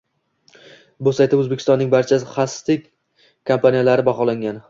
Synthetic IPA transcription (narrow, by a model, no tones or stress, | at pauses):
bʊsajt̪ʰaɵzbekʲʰɪst̪ɒnːɪŋbaɾt͡ʃʰaχast̪ɪkʲ | kʰampʰanijalaɾɪbaχɒlaŋɡʲan